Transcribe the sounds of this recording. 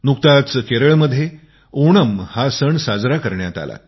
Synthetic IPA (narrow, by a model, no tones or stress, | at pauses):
nuk̚t̪at͡skeɾəɭməd̪ʱːje | oɽəmhasəɳsad͡zɾakəɾɳjat̪a̰la̰